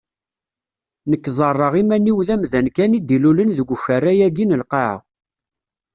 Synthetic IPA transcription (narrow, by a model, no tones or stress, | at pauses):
nəkːzˤərˤːəʁimæniwðæmðænkænid̪ːilulənðəɡʷçərːæjæɡinəlqɑʕ̰